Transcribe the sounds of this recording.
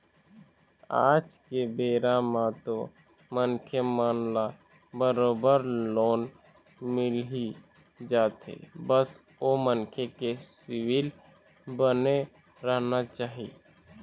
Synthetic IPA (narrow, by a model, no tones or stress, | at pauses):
a̰ːd͡ʒkebeːɾamãt̪o | mənkʰemaːnla | bəɾoːbəɾloːn | mɪli | d͡ʒaːt̪ḛbəs | omənkʰekesɪwɪl | bəne | ɾəɦnat͡ʃaːɦi